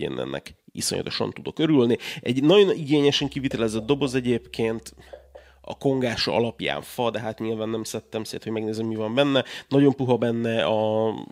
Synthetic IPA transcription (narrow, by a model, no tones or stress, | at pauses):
ḛːnɛ̰nːɛ̰kḭso̰ɲʔɒ̰t̪o̞ʃɒ̰nt̪ud̪o̞kø̞ɾylniɛɟnɒɟo̞niɡeːɲɛʃɛŋkivit̪ɛlɛzɛd̪̚d̪o̞bo̞zɛɟeːpkʰeːnt̪ | ɒ̰ko̞ŋɡaːʃɒ̰ɒ̰lɒpja̰ːɱfɒd̪ɛɦaːt̪ɲilvaːnːɛmsɛt̪ːɛmsḛːt̪ho̞ɟmɛɡneːzɛmːivɒmbɛnːɛnɒɟo̞mpuɦɒbɛnːɛɒ